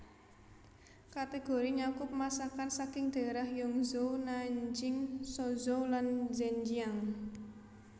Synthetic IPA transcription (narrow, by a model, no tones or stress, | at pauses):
kat̪eɡ̥o̤ɾiɲakʊpmasakansakɪŋd̪̥e̤ɾahjɔŋzownaɲd͡ʒɪŋsɔzowlanzɛɲd͡ʒiaŋ